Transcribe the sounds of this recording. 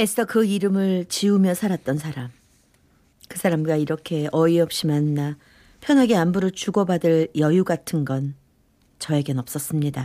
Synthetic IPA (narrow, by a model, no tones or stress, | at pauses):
es͈ʌkɯiɾɯmɯɭt͡ɕiumjʌsʰaɾat̚t͈ʌnsʰaɾam | kɯsʰaɾamɡwaiɾʌkʰe̞ʔʌiʌp̚ɕ͈imanːa | pʰjʌnɦaɡe̞ambuɾɯɭt͡ɕuɡʌbadɯɭjʌjuɡatʰɯnɡʌn | t͡ɕʌe̞ɡenʌp̚s͈ʌs͈ɯmɲida